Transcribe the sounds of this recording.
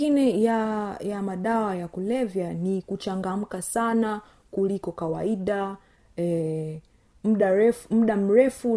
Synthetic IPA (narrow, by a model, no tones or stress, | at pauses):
inɛjajamaɗawajakulɛvjanikut͡ʃaŋɡam̩kasana | kulikɔkawaiɗa | ɛ | m̩ɗaɛm̩ɗam̩ɾɛfu